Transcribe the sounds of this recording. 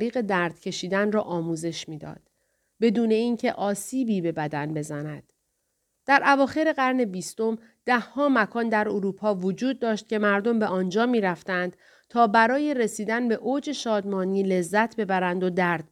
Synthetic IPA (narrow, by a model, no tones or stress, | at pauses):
ɾiːɣe̞d̪æɾd̪̥cʰe̞ʃiːd̪ænrɒːʔɒːmuːze̞ʃmiːd̪ɒ̰ːd̪̥ | be̞d̪uːne̞iːncʰe̞ʔɒːsiːbiːbe̞bæd̪ænbe̞zænæd̪̥ | d̪̥æɾʔævɒːxe̞ɾe̞ɣæɾne̞biːst̪o̞m | d̪̥æhhɒːmækʰɒːnd̪æɾoɾuːpʰɒːvod͡ʒuːd̪̚ːɒːʃt̪̚cʲe̞mæɾd̪o̞mbe̞ʔɒːnd͡ʒɒːmiːɾæft̪ænd̪̥ | t̪ʰɒːbæɾɒːje̞ɾe̞siːd̪ænbe̞ʔoːd͡ʒe̞ʃɒːd̪mɒːniːle̞zːæt̪ʰbe̞bæɾænd̪o̞d̪æɾd̪̥̚